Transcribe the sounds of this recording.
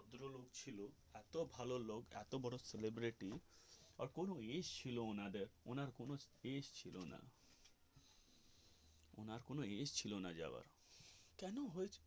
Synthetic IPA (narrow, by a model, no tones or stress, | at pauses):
od̪ɾoloɡt͡ɕʰilo | ɛt̪obʱalolokɛ̰t̪obɔɽoselebɾiʈiaɾkonoeʃt͡ɕʰiloonad̪eɾo̰naɾkonoeʃt͡ɕʰilona̰ | o̰naɾkonoeʃt͡ɕʰilonad͡ʑa̰ba̰ɾ | kɛnoɦojt͡ʃʰ